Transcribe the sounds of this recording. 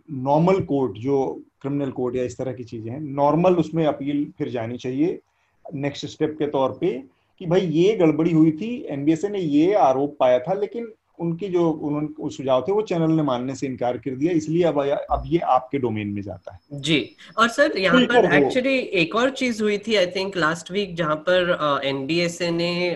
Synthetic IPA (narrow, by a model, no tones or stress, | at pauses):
nɔːɾməlkoːɾʈd͡ʒoːkɾɪmɪnəlkoːɾʈjaɪst̪ɐɾɐɦkit͡ʃiːzẽɦɛ̃nɔːɾməlʊsmẽɐpiːlpʰɪɾd͡ʒaːnit͡ʃaːɦie | nɛksʈsʈep̚ket̪ɔːɾpe | kibʱɐijeɡɐɭbəɽiɦʊit̪ʰiɛːnbieːsenẽjeaːɾoːpːaːjat̪ʰaleːkɪn | ʊnkid͡ʒoːʊnɦõːnesʊd͡ʒʱaːot̪ʰeʋot͡ʃɛːnəlnemaːnːeseɪ̃nkaːɾkɐɾd̪ijaɪslieɐbɐbjeʔaːp̚keɖoːmeːnmẽd͡ʒa̰ːt̪aɦɛːd͡ʒiː | ɔːɾsɐɾjɐɦaalpɐɐɾɛɦkoːt͡ʃulieːkɔːɾt͡ʃiːzɦʊit̪ʰiaːɪt̪ʰɪ̃ŋklaːsʈʋiːk̚d͡ʒɐɦãpɐɾɛnbiːeːsenẽ